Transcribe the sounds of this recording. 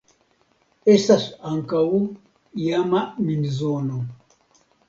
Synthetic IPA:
esasaŋkawu | jamaminizono

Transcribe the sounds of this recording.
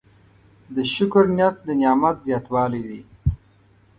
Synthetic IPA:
d̪əʃʊkɾnjat̪̚d̪ənjɑːmat̪zjɑːt̪wɑːliwi

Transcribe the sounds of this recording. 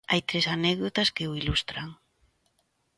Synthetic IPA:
ajt̪ɾesanɛɣðot̪askeuilust̪ɾaŋ

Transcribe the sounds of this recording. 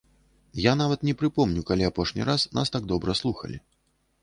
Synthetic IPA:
janavɐt̪nʲɛpɾɨpɔmnʲukalʲiapɔʂnʲḭɾasna̰st̪aɡ̚d̪ɔbɾɐslˠuxɐ̰lʲḭ

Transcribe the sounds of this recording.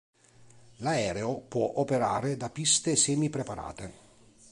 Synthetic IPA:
laɛːɾeopwɔʔopeɾa̰ːɾed̪apist̪esɛːmipɾepaɾa̰ːt̪e

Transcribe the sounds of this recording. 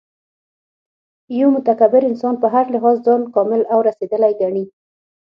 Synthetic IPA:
jomʊt̪akabɪɾɪnsɑnpəɦaɾlɪɦɑzzɑnkɑmɪlawɾased̪əlajɡaɳi

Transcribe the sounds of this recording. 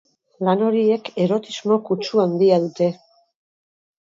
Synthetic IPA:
lano̞ɾie̞ke̞ɾo̞t̪izmo̞kut͡ʃuand̪iaðut̪e̞

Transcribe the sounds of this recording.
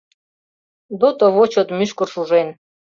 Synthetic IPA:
d̪ot̪oβot͡ɕot̪myʃkorʃuʒen

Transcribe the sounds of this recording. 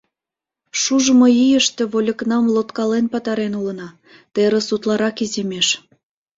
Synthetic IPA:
ʃuʒəmojijəʃt̪ĕβolʲə̆knɑmlot̪kɑlenpɑt̪ɑɾenulənɑ | t̪eɾə̆sut̪lɑɾɑkizemeʃ

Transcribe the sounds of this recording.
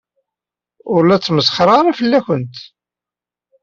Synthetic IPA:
ʊɾlæt͡sːməsχɾˤɑɾˤɑfəlːæçʷənt̪

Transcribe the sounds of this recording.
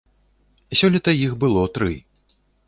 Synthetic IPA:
sʲɔlʲit̪ɐjixbɨlˠɔt̪ɾɨ

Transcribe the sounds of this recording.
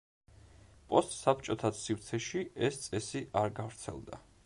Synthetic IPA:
pʼɔst̪ʼsap̚t͡ʃʼɔt̪ʰad̪sivt̪sʰɛʃiɛst̪sʼɛsiʔaɾɡavɾt̪sʰɛ̰lˠd̪a̰

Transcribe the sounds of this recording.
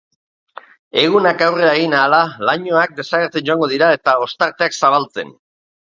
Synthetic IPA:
e̞ɣunakawre̞aeɣinaːlalaɲo̞ak̚d̪e̞saɣeɾt͡se̞nd͡ʒo̞aŋɡo̞ð̞iɾae̞t̪ao̞st̪aɾt̪e̞aksaβalt͡se̞̰n

